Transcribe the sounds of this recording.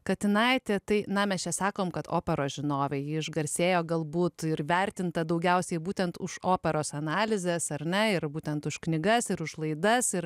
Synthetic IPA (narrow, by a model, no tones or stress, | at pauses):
kɐt̪ʲɪnɐɪt̪ʲɛt̪ɐɪnɐmʲɛst͡ʃʲɛsɑːkoːmkɐt̪o̰ːpʲɛɾoːʒʲɪnoːʋʲɛjɪɪʒɡɐɾʲsʲeːjoːɡɐlˠbuːt̪ɪɾʋʲɛɾʲt̪ʲɪnt̪ɐd̪ɐʊɡʲɛʊsʲɛɪbuːt̪ʲɛnt̪ʊʃoːpʲɛɾoːsɐnɑːlʲɪzʲɛsɐɾʲnʲɛɪɾbuːt̪ʲɛnt̪ʊʃknʲɪɡɐsɪɾʊʃlˠɐɪd̪ɐsɪɾ